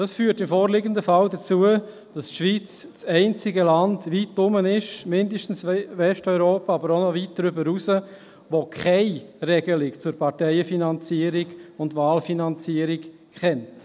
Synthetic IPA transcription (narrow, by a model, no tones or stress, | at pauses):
d̥ɑsfyːtɪmfɔːɾlɪɡəndəfɑldət͡suə | d̥ɑstʃʋiːt͡st͡sɛɪnt͡sɪɡəlɑndʋit̚ːʊmənɪʃmɪndəʃtn̩svɛʃtɔʏɾoːpaɑbəɾonɔvit̚dɾʏbəɾusə | ʋokʰχɛɪrɛɡəlɪkt͡sʊɾpʰɑɾtɛɪəfinɑnt͡siəɾiɡʊndʋaːlfinɑnt͡siəɾik | χɛnt